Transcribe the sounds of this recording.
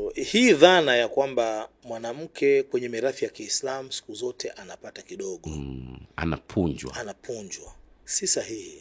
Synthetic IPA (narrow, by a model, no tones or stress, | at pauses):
hiːðanajakwamba | mwanam̩kʰɛkwɛɲɛmiɾaθijakiːslamusi̥kuzɔtʰɛʔanapatakiɗɔɠɔa̰na̰pʰuɲd͡ʒwaanapʰuɲd͡ʒwasisahihi